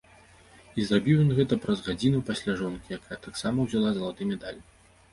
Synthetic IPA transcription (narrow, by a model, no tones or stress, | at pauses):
izrabʲiwjɔnɣɛt̪ɐpɾɐzɣad͡zʲinupasʲlʲaʐɔnkʲijakajɐt̪aksamɐwzʲalˠazɐlˠat̪ɨmʲɛd̪alʲ